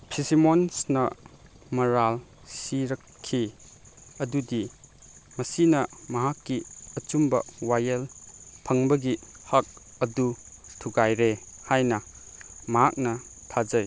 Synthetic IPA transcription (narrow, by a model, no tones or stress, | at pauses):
pʰisimonsnɐ | mɐɾal | siɾɐkʰːi | ɐdudi | mɐsinɐmɐɦakːiɐt͡ʃumbɐwajɐlpʰɐŋbɐɡihɐk̚ | ɐdu | tʰuɡajɾehajnɐmɐɦak̚nɐtʰad͡ʒɐj